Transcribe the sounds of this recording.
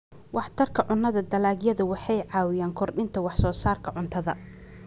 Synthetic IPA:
wɑħt̪ʰɐrkʰɐʕʊnːɐðɐd̪ɐlaːɡjɐðɐwɑħɑjʕɑːwɪjaːŋkʰɔrɗɪnt̪ʰɐwɑħsɔːsaːrkʰɐʕʊnt̪ʰɐðɐ

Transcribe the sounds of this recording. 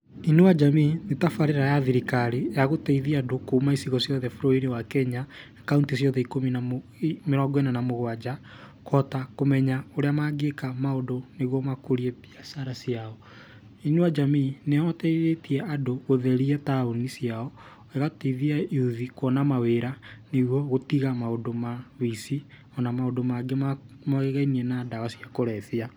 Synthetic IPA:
inuwad͡ʒamiːnetafaɾeɾajaðiɾikaɾijaɣotɛiðiadokoumaisiɣɔsjɔðɛfuɾɔiɾewakɛɲa | kauntisjɔðɛikominaimeɾɔɡwenanamoɣwad͡ʒa | kɔtakomɛɲaoɾeamaɡekamaodoneɣwɔmakoɾiɛpiasaɾasiaɔ | inuad͡ʒamiineɔtɛiɾetiɛʔadoɣoðɛɾiataonisjaɔ | eɣatiðiaiuðikwɔnamaweɾaneɣwɔɣotiɣamaodomawisi | ɔnamaodomaɡema | maɣeɣainiɛnaːdawasiakoɾɛθia

